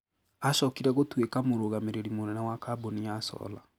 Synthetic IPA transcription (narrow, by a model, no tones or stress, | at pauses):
aʃɔkiɾɛɣotwekamoɾoɣameɾeɾimonɛnawakaboniasɔ̰la̰